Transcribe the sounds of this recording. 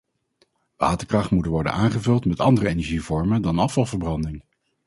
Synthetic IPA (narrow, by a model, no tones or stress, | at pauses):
ʋa̰ːtəɹkrɑχtmutənʋɔɹdə̰naːŋχəvɵlˠtmɛtɑ̰ndərəejnɛɹʒivɔɹmədɑnɑfɑlˠvəɹbrɑndɪŋ